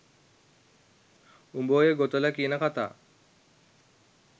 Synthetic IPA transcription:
umboːjeɡot̪ələkiːnəkat̪a̰ː

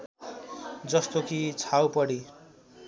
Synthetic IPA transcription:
d͡zʌst̪okit͡sʰawpʌɽi

